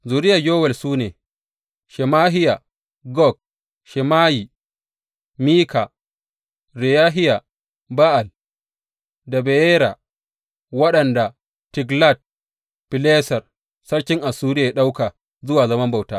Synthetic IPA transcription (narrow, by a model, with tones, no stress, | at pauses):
zuː˨ɾɪ˦ja˨d͡ʒoː˦wɛ˨lsuː˦neː˨ | ʃɛ˨maː˦ɦɪ˦ja˨ | ɡɔ˦˨k̚ | ʃɛ˨maː˦ji˨ | miː˦ka˨ | ɾɛ˨jaː˦ɦɪ˦ja˨ | ba˦ʔa˨l | dɐ˨bɛ˨jɛː˦ɾa˨ | wɐ˦ɗɐ˨nda˨ | tɪ˨ɡla˦˨t̚ | pɪ˨lɛː˦sɐ˨r | sɐ˦ɽkʲɪ˦ŋʔa˨suː˦ɾɪ˦ja˨ja˦ɗa˦wka˨ | zʊ˦waː˨zɐ˦mɐ˦mba˨wtaː˦